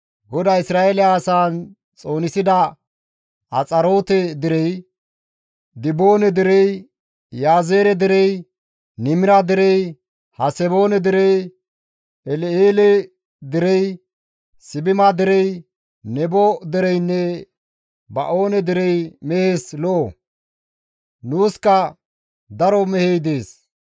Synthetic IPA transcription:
ɡɔd̪ɐjɪsɾaːelɛaːsaːn | t͡sʼo̞ːnɪsɪd̪ɐ | ɐt͡sʼɐɾo̞ːt̪ɛd̪ɪɾɛj | d̪ɪbo̞ːnɛd̪ɪɾɛj | jaːzeːɾɛd̪ɪɾɛj | nɪmɪɾɐd̪ɪɾɛj | hɐsɛboːnɛd̪ɪɾɛj | ɛleːlɛ | d̪ɪɾɛj | sɪbɪmad̪ɪɾɛj | nɛbɔd̪ɪɾɛjnːɛ | bɐ̰ʔo̞ːnɛd̪ɪɾɛjmɛheːslɔʔo | nuːskɐ | d̪ɐɾɔmɛhɛjd̪eːs

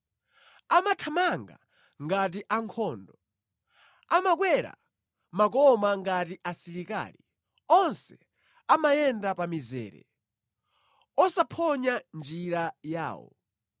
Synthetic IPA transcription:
amatʰamaŋɡa̰ | ŋɡat̬iʔaŋkʰɔːndɔ | amak̬wɛɾa̰ | mak̬ɔmaŋɡatiʔasiɾika̰ːli | ɔnsɛ | amajɛndapamizɛ̰ːɾɛ̰ | ɔsapʰɔɲand͡ʒiɾaja̰ːwɔ̰

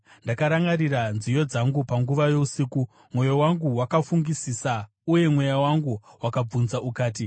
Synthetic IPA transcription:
ndakaɾaŋɡaɾiranzijo̞d͡zaŋɡupaŋɡuʋajo̞usiːku | mwo̞jowaŋɡuwakafuŋɡisisa | uje̞mwe̞jawaŋɡuwakab͡vunzaʔukaːti

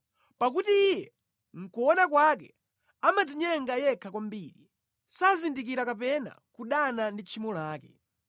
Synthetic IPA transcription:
pak̬utiːjɛ | ŋ̩kuɔnakwakɛ̰ | amad͡ziɲɛŋɡajɛkʰakwambiɾi | sazindik̬iɾakapɛna̰kuɗanandit͡ʃʰimɔlaːkɛ

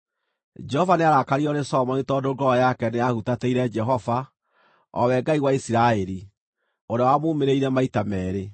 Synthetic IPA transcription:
d͡ʒɛhɔvaneaɾakaɾiɔnesɔmɔnitɔdoɡɔjakɛneahutateiɾɛd͡ʒɛɦɔva | ɔ̰wɛɡaiwaisiɾaɛɾi | oɾeawamoːmeɾeiɾɛmaitamɛːɾe

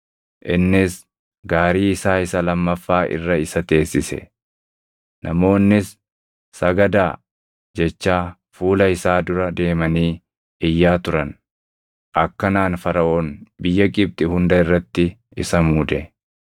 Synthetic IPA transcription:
ʔɪnːɪs | ɡaːɾiːɪsaːɪsɐlɐmːɐfːaːʔɪ̰rːɐɪsɐt̪e̞ːsːɪsɛ̰ | nʔɐ̰mo̞ːnːɪsː | ɐɡɐd̪aː | d͡ʒɛt͡ʃːaː | fuːlɐɪsaːd̪ʊɾɐd̪e̞ːmɐniː | ɪjːaːt̪ʊɾɐn | ʔɐkːɐnaːnfɐɾɐʔoːnbɪjːɐkʼɪb̚t̪ʼɪhʊnd̪ɐɪrːɐt̪ːɪ | ɪsɐmuːd̪ɛ

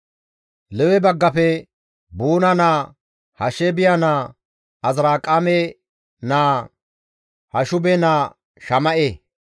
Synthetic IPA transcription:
lɛwɛbɐɡːɐpɛ | buːnɐnaː | hɐʃɛbɪjanaː | ɐzɾaːkʼːamɛ | naː | hɐʃʊbɛnaː | ʃɐmɐʔe

